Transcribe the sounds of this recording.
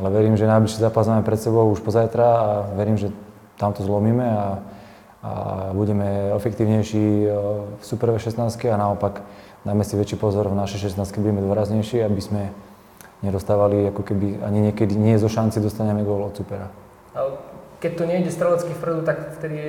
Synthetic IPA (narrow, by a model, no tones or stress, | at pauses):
alɛʋɛɾiːmʒɛnajbliʃiːzaːpazmaːmɛpɾɛt̪sɛbɔʊuʃpɔzajt̪ɾaːʋɛɾiːmʒɛ | t̪amt̪ɔzlɔmiːmɛa | a̰buɟɛmɛɛfɛkt̪iːʊɲɛjʃi | fsupɛɾʋɛʃɛsnaːskɛanaɔpak | d̪aːmɛsiʋɛt͡ʃiːpɔzɔɾvnaʃɛjʃɛstnaːst̪kɛbuɟɛmɛd̪ʋɔɾazɲɛjʃiabizmɛ | ɲɛd̪ɔst̪aːʋaliakɔkɛbia̰ɲiɲɪɛkɛd̪iɲɪɛzɔʃant͡sid̪ɔst̪aɲɛmɛd̪ʊɔlɔt̪t͡supɛɾa | akɛc̚t̪ɔɲɛiɟɛst̪ɾɔlat͡skifpɾ̩d̪ut̪akft̪ɛd̪i